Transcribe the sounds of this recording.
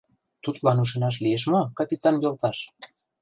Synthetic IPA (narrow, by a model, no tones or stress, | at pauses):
t̪ut̪lɑnuʃ̬ĕnɑʃ̬lieʃ̬mokɑpʲit̪ɑnjolˠt̪ɑʃ